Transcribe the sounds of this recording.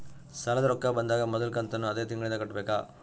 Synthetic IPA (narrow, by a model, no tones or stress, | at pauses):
sɐlɐd̪ɐɾɔkːabɐnd̪aːɡɐmɔd̪ɐlkɐnt̪ɐnːuɐd̪eːt̪iŋɡɐɭind̪ɐkɐʈːbeːkaː